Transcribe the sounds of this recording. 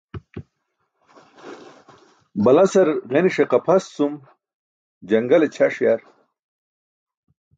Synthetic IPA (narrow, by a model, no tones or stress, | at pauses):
bɐlɐsɐɾʁeniʂeqɐpʰɐsːum | d͡ʑɐŋɡɐlet͡ɕʰaʂjaɾ